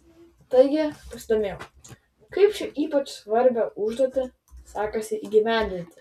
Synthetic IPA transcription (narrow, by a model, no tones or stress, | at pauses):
t̪ɐɪɡʲɪpɐsʲɪd̪oːmʲeːjo | kɐɪpt͡ʃʲɪʔiːpɐt͡ʃsʋɐɾʲbʲoːʊʒd̪oɔt̪ʲɪ | sɑːkɐsʲɪʔiːɡʲɪʋʲæˑnʲd̪ʲɪnʲt̪ʲɪ